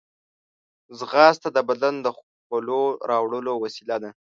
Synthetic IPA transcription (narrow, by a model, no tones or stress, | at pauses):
zɣɑst̪ad̪əbad̪and̪əx | kəloɾɑwɽəlowasilad̪a